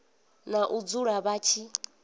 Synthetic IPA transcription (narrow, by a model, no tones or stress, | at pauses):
naʔud͡zuɺaβaːt͡ʃʰi